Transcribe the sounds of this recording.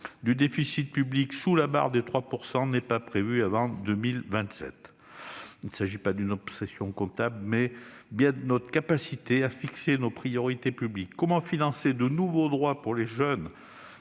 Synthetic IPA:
d̪yd̪efisit̪̚pybliksulaba̰ʁd̪et̪χwapuʁsɑ̃nɛpapχevyavɑ̃d̪əmilvɛ̃t̪sɛ̰t̪ | inəsaʒipad̪ynɔpsɛsjɔ̃kɔ̃t̪abləmɛbjɛ̃d̪ənɔt̪χəkapasit̪eafiksenopχijɔʁit̪epyblikːɔmɑ̃finɑ̃sed̪ənuvod̪ʁwapuʁleʒœn

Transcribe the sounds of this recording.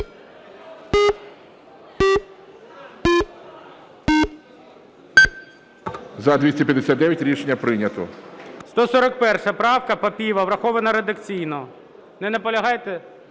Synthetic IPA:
zɐd̪ʋʲisʲtʲɐpʲjɐd̪esʲat̪d̪ɛʋʲjɐtʲɾʲiʃenʲːɐpɾɪnʲɐt̪ɔst̪ɔsɔɾɐk̚pɛrʃɐpɾɑwkɐpɐpʲiʋɐʋɾɐxɔʋɐnɐɾed̪ɐkt͡sʲijnɔ | nɛnɛpɔlʲɐɦɑjt̪ɛ

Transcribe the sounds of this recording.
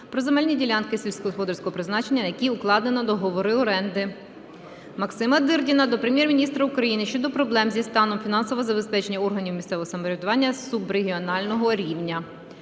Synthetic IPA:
pɾɔzemɛlʲnʲidʲilʲankɪsʲilʲsʲkɔɦɔspɔd̪ɔɾʲsʲkɔɦɔpɾɪznɑt͡ʃe̞nʲːɐjɐkʲiʊklˠɑd̪enɔd̪ɔɦɔʋɔɾɪɔɾɛnd̪ɪ | mɐksɪmɐd̪ɪrdʲinɐd̪ɔpɾemjermʲinʲist̪ɾɐukɾɐjinɪʃt͡ʃɔd̪ɔpɾɔblˠɛmzʲist̪ɑnɔmfʲinɑnsɔʋɔzɐbe̞spɛt͡ʃe̞nʲːɐɔrɦɐnʲiwmʲist̪sɛʋɔɦɔsɐmɔɾʲed̪ʊʋɑnʲːɐsubɾeɦʲiɔnɑlʲnɔɦɔɾʲiwnʲɐ

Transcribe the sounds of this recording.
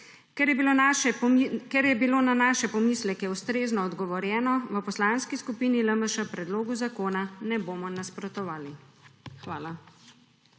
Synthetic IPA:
ilo | kɛɾjɛbiloːnanaːʃɛpɔmislɛkɛust̪ɾeːznɔːd̪ɡɔʋɔɾjɛːnɔʋəpɔslanskiskupiːniləməʃəpɾɛd̪loːɡuzakoːnanɛboːmɔnaspɾɔt̪ɔʋaːlixʋaːla

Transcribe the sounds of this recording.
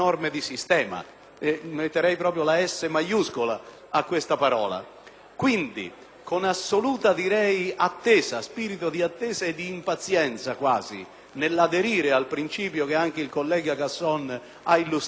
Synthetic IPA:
ɔrmed̪isist̪ɛːma̰ | ɛmet̪ːeɾɛjpɾɔːp̬ɾjolaɛsːemajuskʊla̰ː | kːwest̪apaɾɔ̰ːla̰ | kwind̪ḭ | kʊnasːoluːt̪ad̪iɾɛjat̪ːɛːzaspiːɾit̪ʊd̪iat̪ːɛːzaed̪ːiːmpat̪sjɛnt̪sakwaːzḭ | nɪlːad̪eɾiːɾɪalpɾint͡ʃiːpjokeaŋk̟eilkolːɛːɡakasːɔn | ailːus

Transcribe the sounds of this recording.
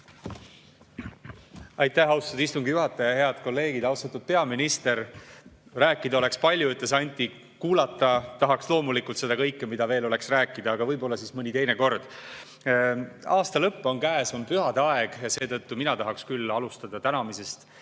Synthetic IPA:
ɑjt̪ˑːæhɑwst̪ud̪ist̪uŋɡijuɦɑt̪ːˑɑjɑjɑjɑɦe̞ɑd̪̥ko̞lːe̞ːɡ̥id̪ɑwst̪ɑt̪ːud̪̥̚pe̞ɑminist̪e̞ɾ | ræːkːˑid̪̥ɑo̞le̞kspɑlʲjuyt̪ːˑesɑnʲt̪ʲˑːi | kuːlɑt̪ːˑɑt̪ɑɦɑkslo̞ːmulikˑult̪se̞d̪ɑkɤjkːemid̪̥ɑve̞ːlo̞le̞ksræːkːˑid̪ɑːɡ̥ɑvɤjbo̞lːɑsiːsmɤnʲit̪e̞jneko̞rd̪̥ | ɑːst̪ɑlɤpːo̞nkæːsompyɦɑd̪ɑe̞ɡ̥jɑse̞ːt̪ɤt̪ːuminɑt̪ɑɦɑkskylːɑlust̪ɑd̪̥ɑt̪ænɑmise̞st̪

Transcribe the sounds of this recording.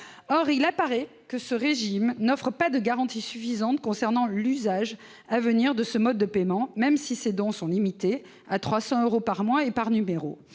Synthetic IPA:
ɔʁilapaʁɛ | kəsəʁeʒimnɔfχəpad̪əɡaʁɑ̃t̪isyfizɑ̃t̪̚kɔ̃sɛʁnɑ̃lyzaʒ | avəniʁd̪əsəmɔd̪̚ːəpemɑ̃mɛmsised̪ɔ̃sɔ̃limit̪e | at̪χwasɑ̃øʁopaʁmwaepaʁnymeʁo̰

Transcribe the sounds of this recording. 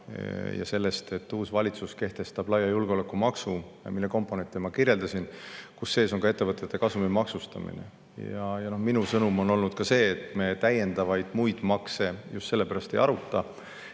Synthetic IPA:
jɑ̰se̞lːe̞st̪e̞t̪ːuːsvɑlʲit̪suske̞ht̪e̞st̪ɑb̥lɑjːɑjulɡ̥eole̞kːˑumɑksuɑ̰milːe̞ko̞mpːˑo̞ne̞nt̪ːˑimɑkirje̞ld̪̥ɑsinkusːe̞ːso̞ŋɡɑe̞t̪ːevɤt̪ːˑet̪ːe̞kɑsumimɑksust̪ɑ̰mḭnḛ | jjɑjɑno̞hminusɤnumo̞no̞lnud̪̥̚kɑse̞ːt̪me̞t̪æje̞nd̪̥ɑvɑjd̪̥mujd̪̥mɑkse̞just̪se̞lːe̞pæɾɑst̪e̞jɑɾut̪ːˑɑ

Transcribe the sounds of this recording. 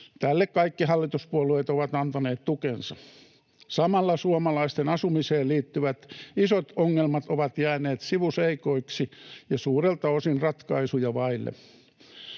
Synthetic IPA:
t̪ælːekkɑikːihɑlːit̪uspuolueːˑt̪oʋɑt̪ɑnt̪ɑneːt̪t̪ukensɑ | sɑmɑlːɑsuomɑlɑist̪enɑsumiseːliːt̪ːyʋæt̪isot̪oŋːelmɑt̪oʋɑt̪jæːneːt̪siʋuseikoiksijɑsuːrelt̪ɑosinrɑt̪kɑisujɑʋɑilːḛ

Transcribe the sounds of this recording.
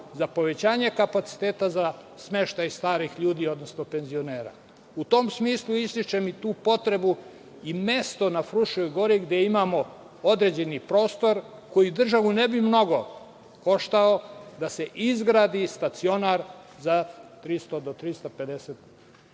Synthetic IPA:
zapoʋe̞t͡ɕaːɲe̞kapat̪si̥t̪eːt̪azasme̞ʃt̪ajst̪aːɾixʎuːd̪iːo̞d̪nosnope̞nzio̞neːɾa̰ | ut̪o̞msmiːslˠuist̪it͡ʃemit̪uːpo̞t̪ɾe̞bu | ime̞st̪o̞nafɾuʃojɡo̞ɾiɡd̪eimaːmo̞ | od̪ɾe̞d͡ʑe̞nipɾo̞ːst̪o̞ɾ | ko̞jid̪r̩ʒaʋunebimno̞ɡo̞ | ko̞ʃt̪ao̞d̪ase̞ʔizɡɾaːd̪ist̪at̪sio̞naɾ | zat̪ɾist̪od̪ot̪ɾist̪ape̞d̪eset̪

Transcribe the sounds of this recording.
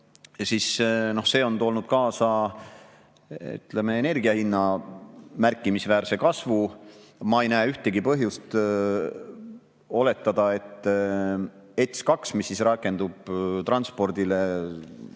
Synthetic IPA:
sisno̞hse̞ːo̞nt̪oːlnud̪̥kɑːsɑ | y̰t̪leme̞ːne̞rɡiɑhinːɑ | mærkˑːimisvæːɾse̞kɑsvumɑejnæːyht̪eɡipɤɦjust̪ | o̞le̞t̪ːˑɑd̪̥ɑe̞t̪ˑː | e̞t̪skɑksmisːisrɑkːe̞nd̪ub̥t̪ɾrɑnspo̞rd̪̥ile

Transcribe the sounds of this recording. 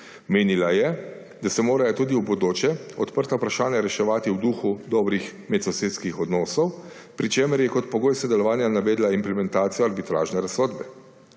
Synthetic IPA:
meːnilajɛ | d̪asɛmoːɾajɔt̪uːd̪iwbɔd̪oːt͡ʃjɛɔt̪pəɾt̪aupɾaʃaːnjaɾɛʃɛʋaːt̪iwd̪uːxud̪ɔːbɾixmɛt̪sɔseːt̪skixɔd̪nɔːsɔw | pɾit͡ʃeːməɾjɛkɔt̪̚pɔɡoːjsɔd̪ɛlɔʋaːnjanaʋɛːd̪laimplɛmɛnt̪aːt̪sijɔaɾbit̪ɾa̰ːʒnɛɾasːɔːd̪bɛ

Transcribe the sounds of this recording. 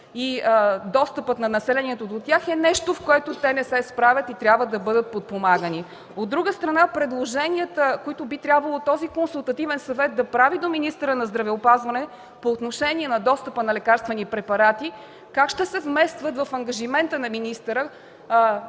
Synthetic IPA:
id̪ɔst̪əpət̪nɐnɐsɛlɛniɛt̪od̪ot̪ʲaxɛnɛʃt̪ofkoɛt̪ot̪ɛnɛsɛspɾavʲjət̪it̪ɾʲjabvəd̪ɐbɤd̪ət̪̚pot̪̚pomaɡəni | od̪ːɾuɡəst̪ɾɐnapɾɛd̪lˠoʒɛniət̪əkoit̪obit̪ɾʲjabvɐlˠot̪ɔzikonsulˠt̪ɐt̪ivɛnsɐvɛt̪̚d̪ɐpɾavid̪ominist̪əɾənɐzd̪ɾɐvɛopazvɐnɛ | poːt̪noʃɛnʲiɛnɐd̪ɔst̪əpənɐlɛkaɾst̪vɛnipɾɛpɐɾat̪i | kakʃt̪ɛsɛvmɛst̪vət̪vɐfɐŋɡɐʒimɛnt̪ənɐminist̪əɾə

